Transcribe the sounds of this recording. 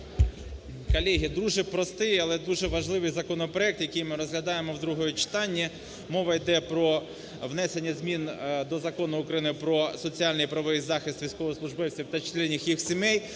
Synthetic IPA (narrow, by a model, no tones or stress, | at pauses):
kɔlʲɛɦʲid̪ɾuʒɪpɾɔst̪ɪjɐlˠɛd̪uʒɛʋɐʒlˠɪʋɪjzɐkɔnɔpɾɔɛk̚t̪jɐkɪjmɪɾɔzɦlʲɐd̪ɑjemɔwd̪ɾuɦɔjɛt͡ʃɪ̥t̪ɑnʲːi | mɔʋɐjd̪ɛpɾɔ | ʋnɛsenʲːɐzʲmʲind̪ɔzɐkɔnʊʊkɾɐjnɪpɾɔsɔt͡sʲiɑlʲnɪjpɾɐʋɔʋijzɑxɪst̪ʋʲijsʲkɔʋɔslˠʊʒbɪwt͡sʲiwt̪ɐt͡ʃ̪ʲˠɛnʲːixjixsʲimɛj